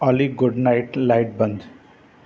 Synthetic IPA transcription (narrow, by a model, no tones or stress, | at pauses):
ɔːliɡʊɖnaɪʈlaɪʈ̚bɐ̃nd̪